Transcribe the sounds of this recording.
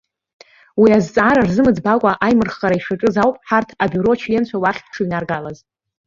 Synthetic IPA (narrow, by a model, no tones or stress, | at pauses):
wiazt͡sʼaɾarzɨmɨd͡zbakʷʼaʔajmɨrχaɾaiʂaʈ͡ʂʼɨzawpʼħartʰabyɾo̞t͡ʃʰlent͡ɕʷʰawaχʲpʰʈ͡ʂʰɨɥnarɡalaz